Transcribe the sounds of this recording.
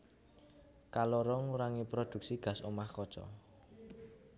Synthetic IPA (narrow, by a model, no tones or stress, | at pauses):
kalɔɾɔŋuɾaŋipɾod̪̥ṳk̚siɡ̥a̤somahkɔ̥t͡ʃɔ̰